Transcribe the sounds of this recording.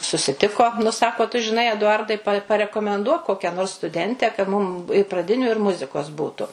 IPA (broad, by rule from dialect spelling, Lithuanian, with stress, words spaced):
sʊsʲɪˈtʲɪkoː nʊ ˈsɑːkoː tʊ ʒʲɪˈnɐɪ ɛdʊˈɐrdɐɪ pɐ pɐrʲɛkoːmʲɛnˈduɔk ˈkoːkʲɛ noːrs stʊˈdʲɛnʲtʲɛ kɐ ˈmʊm ɪ prɐˈdʲɪnʲʊ ɪr ˈmʊzʲɪkoːs ˈbuːtʊ